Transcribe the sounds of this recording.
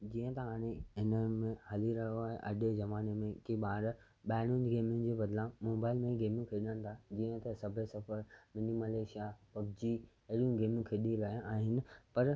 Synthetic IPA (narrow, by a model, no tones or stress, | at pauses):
d͡ʑiːə̃t̪ɐɦaːɽ̃eɦɪnəmẽhɐliɾɐɦoaːɦḛʔɐɖezɐmaːnemẽkiɓaːɾ | ɓaːɪɽ̃ʊ̃nɡeːmɪ̃nd͡ʑeːbɐd̪lãmoːbaːɪlmẽɡeːmjũkʰeɗəñɪ̆t̪ʰad͡ʑiːə̃t̪ɐsɐbʱesɐfəɾmɪnimɐleːʃijapɐbd͡ʑiː | eɗjũɡeːmjũkʰeɗilãːʔaːɦɪnɪ̆pɐɾ